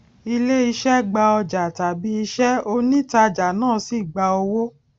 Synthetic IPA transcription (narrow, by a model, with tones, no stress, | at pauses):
i˧le˦i˧ʃɛ˦ɡ͡ba˧ɔ˧d͡ʒa˨ta˨bi˨˦i˧ʃɛ˦o˧nĩ˦ta˧d͡ʒa˨nãː˦˨si˦˨ɡ͡ba˧o˧wo˦